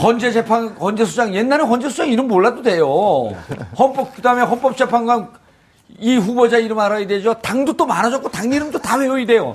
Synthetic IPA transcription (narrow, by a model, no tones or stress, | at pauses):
hʌnd͡ʑe̞d͡ʑe̞pʰaŋhʌnd͡ʑe̞sʰud͡ʑaŋje̞nːaɾɯnɸʌnd͡ʑesʰud͡ʑaŋiɾɯmmoɭːadode̞jo | hʌnp͈ʌp̚kɯdameɦʌnp͈ʌp̚t͡ɕ͈e̞pʰaŋɡwan | iɸubod͡ʑaiɾɯmaɾaided͡ʑotaŋdot͈omanad͡ʑʌk̚k͈otaŋɲiɾɯmt͈otawejoide̞jo